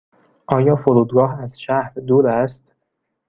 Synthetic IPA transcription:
ʔɒːjɒːfoɾuːd̪̚ɡɒːɦæzʃæhɾd̪uːɾæst̪

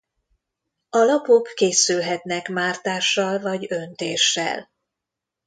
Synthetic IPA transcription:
ɒlɒpo̞kːeːsylɦɛt̪nɛkmaːrt̪aːʃːɒlvɒɟø̞nt̪eːʃːɛ̰l

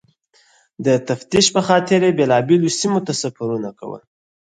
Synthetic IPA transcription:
d̪ət̪aft̪iʃpəxɑt̪ɪɾjebelɑbelosimot̪asafaɾunaka̰wə̰l

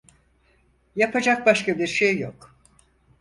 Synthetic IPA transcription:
japʰad͡ʒak̚baʃkabiɾʃejːok

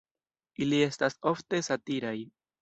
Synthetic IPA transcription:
ilie̞staso̞fte̞satiɾaj

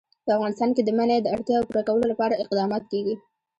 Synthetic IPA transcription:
pəafɣɑnɪst̪ɑnked̪əmaned̪əaɽt̪jɑapuɾakawəlolapɑɾaɪqd̪ɑmɑt̪keɡi

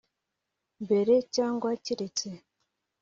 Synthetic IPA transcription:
mbe̞ɾecaːŋɡwaciɾet͡se

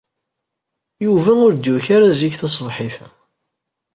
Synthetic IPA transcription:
juvæʊɾd̪juçaɾaziçθɑsˤvħiθ

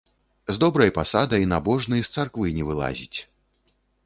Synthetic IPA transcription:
zd̪ɔbɾɐjpasad̪ɐjnabɔʐnɨjst̪sarkvɨnʲɛvɨlˠa̰zʲit͡sʲ

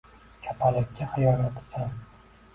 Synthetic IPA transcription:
kʲʰapʰalɪkʲːaχɪjɒɾat̪ʰɪ̥san

